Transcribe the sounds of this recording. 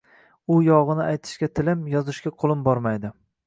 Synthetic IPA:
ʊjɒʁɨnɪajt̪ʰɪ̥ʃkʲat̪ʰɪlɪmjɒzɪʃkʲaqʰolˠɪmbɒɾmajd̪ɪ

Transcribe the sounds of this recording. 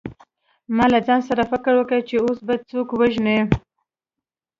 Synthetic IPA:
mɑlad͡zɑnsaɾafɪkəɾwəkət͡ʃeosbad̪̚t͡sokwaʒne

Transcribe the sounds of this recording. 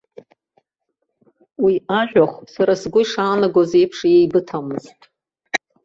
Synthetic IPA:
wiaʒʷᶣaχʷsaɾasɡʷʊiʂaːnaɡʷoze̞jpʰʂjejbɨtʰamɨztʼ

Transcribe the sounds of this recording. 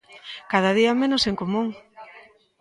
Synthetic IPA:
kað̞aðiamẽnoseŋkomũŋ

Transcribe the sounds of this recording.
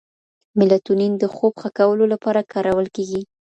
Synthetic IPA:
mɪlat̪unind̪əxobxakawəlolapɑɾakɑɾawəlkeɡi

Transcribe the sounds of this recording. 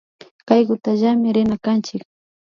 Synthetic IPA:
kajɢʊt̪aʒamɪɾɪnakant͡ʃɪk̚

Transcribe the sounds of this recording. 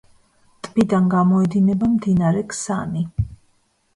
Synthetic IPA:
t̪ʼbid̪anɡamɔɛd̪inɛbamd̪inaɾɛkʰsani

